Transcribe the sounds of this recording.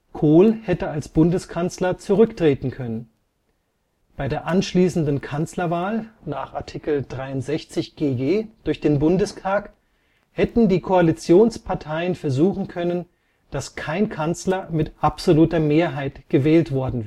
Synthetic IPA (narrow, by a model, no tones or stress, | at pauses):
kʰoːlhɛtəalsb̥ʊndəskʰant͡slɐt͡suʁʏktʁ̥eːtn̩kʰœnən | b̥aɪdeːɐʔanʃliːsn̩dn̩kʰant͡slɐvaːlnaːχʔaɐtʰɪkl̩dʁaɪʊntz̥ɛçt͡sɪçɡ̥eːɡeːd̥ʊɐçd̥eːnbʊndəstʰaːk | hɛtn̩diːkʰoalit͡sjoːnspʰaɐtʰaɪənfɛɐzuːχn̩kʰœnən | d̥askʰaɪnkʰant͡slɐmɪtʔapz̥oluːtɐmeːɐɦaɪtɡ̥əvɛːltv̥ɔɐdn̩